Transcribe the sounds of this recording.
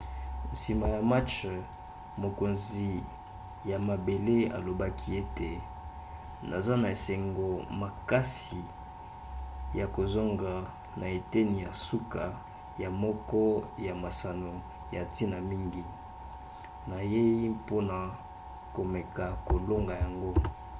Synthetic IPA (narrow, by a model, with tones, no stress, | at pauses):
n̩˨si˨ma˨ja˨ma˦t͡ʃ | mo˨ko˨nzi˨ | ja˨ma˨be˨le˦a̰˨lo˨ba˦kʰi˦e˦te˨ | na˨za˦na˨e˨se˨ŋɡo˨ma˨ka˦si˨ | ja˨ko˨zo˦ŋɡa˨ | nʔa˨e˨te˦ni˨ja˨su˦ka˨ | ja˨mɔ˦kɔ˦ja˨ma˨sa˨no˨ | ja˨ti˦na˨mi˦ŋɡi˨ | na˨je˦i˦po˦na˨ | ko˨me˨ka˨ko˨lo˦ŋɡa˨ja˨ŋɡo˦